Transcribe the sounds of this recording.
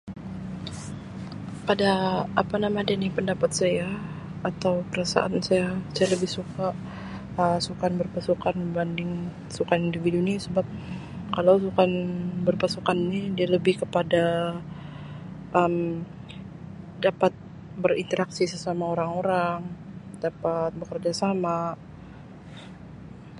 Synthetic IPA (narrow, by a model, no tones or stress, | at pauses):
padaːpanamadanipəndapat̪̚sajaː | t̪awpəɾasa̰ʔansajasajaləbɪhsukaʔ | əsukanbərpasukanəbandɪŋ | sukanindividunisəbap̚ | kalawsukanbərpasukanːidialəbɪhkəpada | ʔəm | dapat̪̚ | bərint̪əɾʔaksisəsamaoɾaŋoɾaŋdapat̪̚bəkərd͡ʒasama